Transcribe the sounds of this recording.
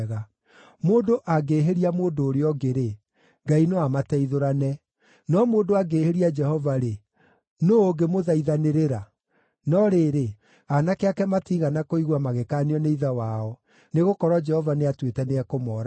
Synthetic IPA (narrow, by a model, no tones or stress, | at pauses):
ɣa | moːndoʔaɡeɦeɾiamoːndoːɾeɔɡeɾe | ɡainoamatɛiðoɾanɛ | nɔmoːndoaɡeːheɾiad͡ʒɛhɔvaɾe | noːɡemoðaiðaneɾeɾa | nɔɾeːɾe | anakeakɛmatiɣanakoiɣwamaɣekaːneɔneiðawaɔ | neɣokɔɾwɔd͡ʒɛhɔvaneatwetɛneɛkomɔːɾa